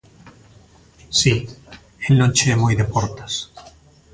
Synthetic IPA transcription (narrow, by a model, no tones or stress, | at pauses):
si | elnõnt͡ʃemojd̪epoɾt̪ḁs